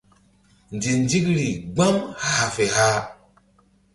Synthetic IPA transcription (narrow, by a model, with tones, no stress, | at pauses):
n˨d͡ʒi˨n˦d͡ʒi˦kɾi˨ɡ͡ba˦mha˨a˨fe˨ha˦